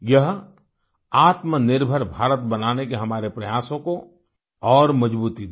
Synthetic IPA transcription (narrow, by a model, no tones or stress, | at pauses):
jɐɦ | aːt̪mənɪɾbʱəɾbʱaːɾət̪bɐnaːnekeɦɐmaːɾepɾɐjaːsõko | ɔːɾmɐd͡ʒbuːt̪id̪